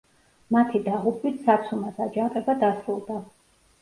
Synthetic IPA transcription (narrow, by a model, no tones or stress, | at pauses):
mat̪ʰid̪aʁupʰʼit̪sat̪sʰumasad͡ʒaŋqʼɛbad̪asɾulˠd̪a